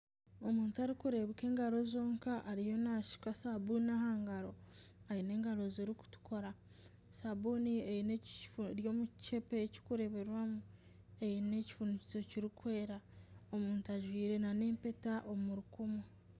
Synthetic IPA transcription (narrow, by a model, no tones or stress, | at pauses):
o̞muːntuaɾikuɾe̞βeke̞ːŋɡaɾo̞zo̞ːŋkaʔːɾijo̞naʃi̥kwasabunnahaːŋɡaɾo̞ | ajine̞ːŋɡaɾo̞zeːɾiku̥tu̥ko̞ɾa | saboniejine̞fɾjo̞ːmut͡ʃe̞peːci̥kuɾe̞βe̞ɾwamu | e̞jine̞ci̥funuci̥t͡so̞ciɾikwe̞ːɾaomuːntuaʒwiːɾe̞nane̞ːmpe̞taʔomuɾukumu